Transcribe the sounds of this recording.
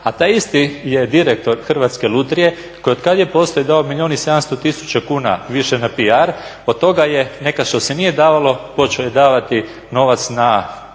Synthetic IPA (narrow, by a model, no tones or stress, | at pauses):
at̪aːjist̪ije̞d̪iɾek̚t̪o̞ɾxr̩ʋat̪skelˠut̪ɾije̞ | kojod̪kad̪jepo̞ːst̪ojid̪aomilʲio̞ːnise̞d̪amst̪o̞t̪isu̥t͡ɕakuːna̰ʋiʃenapiaɾ | od̪̚t̪ːo̞ɡajene̞kaʃt̪o̞sɛnije̞d̪aːʋalo̞po̞t͡ʃeojed̪aːʋat̪i | no̞ʋat̪sna